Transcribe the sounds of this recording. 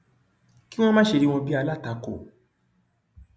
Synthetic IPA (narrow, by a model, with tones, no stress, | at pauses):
ki˦w̃ɔ̃˦mãː˦ʃe˧ɾi˧w̃ɔ̃˧bi˦a˧la˦˨ta˨˧˦ko˦˨